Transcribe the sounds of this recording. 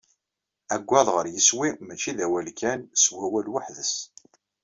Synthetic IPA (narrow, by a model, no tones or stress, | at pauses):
æɡʷːɑðˤʁəɾjəswimæt͡ʃːiðæwælkʰænswæwælwaħðəs